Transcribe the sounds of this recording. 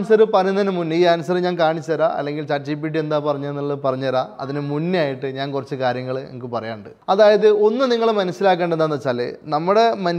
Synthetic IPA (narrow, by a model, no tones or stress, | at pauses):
nusɐɾɨpɐrɐunɐnɨmunːɨiːɐnusɐɾɨɲaːnkaːɳit͡ɕːɐɐɾaːʔɐ̰lːe̞ŋɡilt͡ɕaːt͡ɕip̬iʈ̬ːie̞nd̪aːpɐrɐɲːuenːɐɭːpɐrɐɲːɐɾaːɐ̰ðinɨmunːaːjiʈːɨɲaːnkurɐt͡ɕːɨkaːɾjɐŋːɐɭḛŋikːɨpɐrɐja̰ːɳɖɨ̰ɐðaːjɐðɨo̞nːɨniŋːɐɭmɐnɐsilaːk̬ːeːɳɖe̞nd̪aːnːɐt͡ɕːaːlːḛːnɐmːuɽe̞mɐn